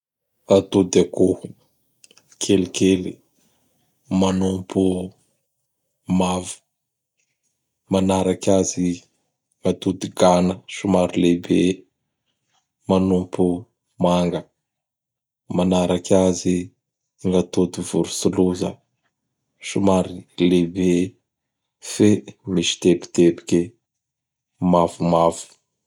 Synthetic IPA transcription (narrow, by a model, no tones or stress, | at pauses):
at̪ud̪akuhu | kʰelikeli | manumpu | mavi̥ | manaɾakʲazi | ŋɡat̪ud̪iɡanəʃumaɾulebe | manumpu | maŋɡə | manaɾakʲazi | ŋɡat̪ud̪ivuɾusuluzə | ʃumaɾilebe | femiʃi̥t̪epi̥t̪epi̥kʲe | mavumavu̥